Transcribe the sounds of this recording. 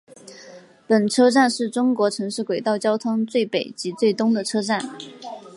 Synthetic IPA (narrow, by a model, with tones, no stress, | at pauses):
pə˨˩nʈ͡ʂʰɤ˥ʈ͡ʂa˥˧nʂɻ̩˥˩ʈ͡ʂʊ˥ŋkwɔ˧˥ʈ͡ʂʰɤ˧˥ŋʂɻ̩˥˩kwe˨˩ɪt̪ɑ˥˩ʊt͡ɕjɑ˥ʊt̪ʰʊ˥ŋt͡swe˥˩ɪpe˨˩ɪt͡ɕi˧˥t͡swe˥˩ɪt̪ʊ˥ŋd̪ə˨ʈ͡ʂʰɤ˥ʈ͡ʂa˥˩n